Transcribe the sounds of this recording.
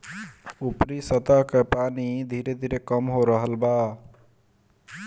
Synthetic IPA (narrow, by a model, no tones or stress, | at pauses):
upɾisət̪akepanid̪ʱiɾed̪ʱiɾekəmɦoɾəɦəlba